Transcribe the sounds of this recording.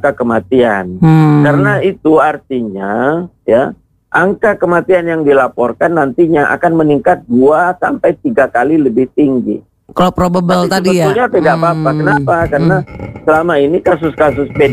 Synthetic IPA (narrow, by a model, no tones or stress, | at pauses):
kakəmat̪iankaɾənait̪uart̪iɲa | ja | ʔaŋkakəmat̪ianjaŋdilapɔrkanːant̪iɲaʔa̰kanməniŋkat̪̚duasampajt̪iɡakaliləbɪht̪iŋɡḭ | kalopɾobabəlt̪atdjauɲapidapapakənapakaɾənasəlamainikasʊskas̬ʊspe